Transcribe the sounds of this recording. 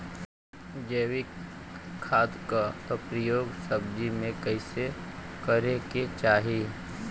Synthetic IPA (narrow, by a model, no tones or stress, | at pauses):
d͡ʒeːwik | kʰːaːd̪kat̪opɾijoːɡsəbd͡ʒimẽkəɪse | kəɾeket͡ʃaːɦi